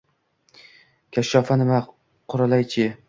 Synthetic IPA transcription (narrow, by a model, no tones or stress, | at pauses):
kʲʰaʃːɒːfanɪma | qʰʊɾalajt͡ʃʰɪ